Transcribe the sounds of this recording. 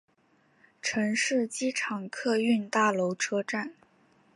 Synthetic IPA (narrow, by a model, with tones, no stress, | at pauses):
ʈ͡ʂʰɤə˧˥ŋʂɻ̩˥˩t͡ɕi˥ʈ͡ʂʰɑ˨˩ŋkʰɤ˥˧y˥˧nt̪a˥˩lo˧˥ʊʈ͡ʂʰɤ˥ʈ͡ʂa˥˩n